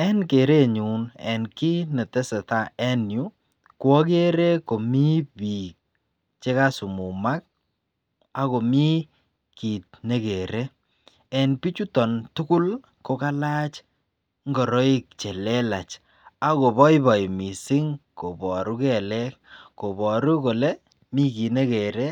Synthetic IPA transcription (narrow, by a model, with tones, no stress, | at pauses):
ɛ˦nke˨ɾe˦ɲu˨nɛ̰˨nki˦ne˨te˦se˨ta˦˨ɛ˦nju˦ | kwɔ˦k̬e˦ɾe˦ko˨mi˦pi˨k̚ | t͡ʃe˦ka˦su˨mu˨ma˦k̚ | a˦ko˨mi˦ | ki˨t̚ne˦ke˨ɾe˦ | ɛ˨npi˦t͡ʃu˦tɔ˨ntʊ˦ku˦l | ko˨ka˦la˦t͡ʃ | ŋɡɔ˨ɾɔ˦i˦k̚t͡ʃɛ˨lɛ˦la˨t͡ʃ | a˨ko˨bɔ˦ibɔ˨jmi˨si˦ŋko˨bɔ˨ɾu˦kɛ˨lɛ˦k̚ko˨bɔ˨ɾu˦ko˨le˦ | mi˦ki˨ne˦ke˨ɾe˦